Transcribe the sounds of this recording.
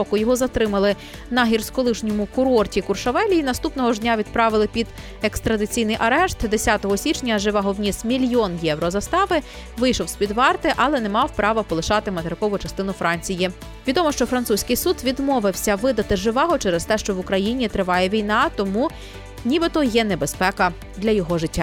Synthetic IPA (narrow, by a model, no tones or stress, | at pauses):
ɔkʊjɔɦɔzɐt̪ɾɪmɐlˠɪ | nɐɦʲirskɔlˠɪʃnʲɔmʊkʊɾɔrtʲikʊrʃɐʋɛlʲiːnɐst̪upnɔɦɔʒd̪ʲnʲaʋʲid̪pɾɑʋɪlˠɪpʲid̪ | ekst̪ɾɐd̪ɪt͡sʲijnɪjʔɐɾɛʃt̪d̪esʲɑt̪ɔɦɔsʲit͡ʃnʲɐʒɪʋɑɦɔʋnʲismʲilʲjɔnjɛwɾɔzɐst̪ɑʋɪ | ʋɪjʃɔwsʲpʲid̪ʋɑrt̪ɪʔɐlˠɛnɛmɑwpɾɑʋɐpɔlˠɪʃɑt̪ɪmɐt̪eɾɪkɔʋʊt͡ʃɐst̪ɪnʊfɾɑnʲt͡sʲiji | ʋʲid̪ɔmɔʃt͡ʃɔfɾɐnt̪susʲkɪjsud̪ʋʲid̪mɔʋɪwsʲɐʋɪd̪ɐt̪ɪʒɪʋɑɦɔt͡ʃɛɾɛst̪ɛʃt͡ʃɔʋʊkɾɐjinʲit̪ɾɪʋɑjɛʋʲijnɑt̪ɔmu | nʲibɪt̪ɔjɛnɛbespɛkɐ | d̪lʲɐjɔɦɔʒɪtʲːa